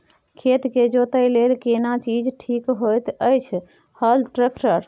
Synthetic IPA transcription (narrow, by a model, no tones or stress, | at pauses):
kʰet̪ked͡ʒot̪əjlelkenat͡ʃid͡ʒʈʰikɦojt̪əjt͡ʃʰ | həlʈɾekʈəɾ